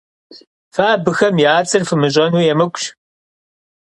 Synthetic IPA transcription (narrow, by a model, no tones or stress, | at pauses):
faːbɨxɐmjaːt͡sʼɨrfɨmɨʑ̬ʷʼɐnuːjɛmɨkʷʼɕ